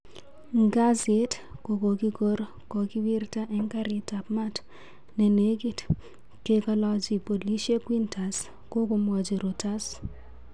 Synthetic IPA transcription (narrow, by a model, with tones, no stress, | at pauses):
ŋɡa˦zɪ˦tko˨ko˨ki˦ɡo˦ɾ | kɔ˨ki˦wi˦rta˦ʔɛ˦ŋka˦ɾɪ˦ta˨pma˦t | ne˨ne˦ɡi˦t | ke˦ka˦lɔ˦d͡ʒi˨po˨li˦ʃe˦kwi˦nta˨s | ko˦ko˦mwa˨d͡ʒe˨ɾo˨ta˦s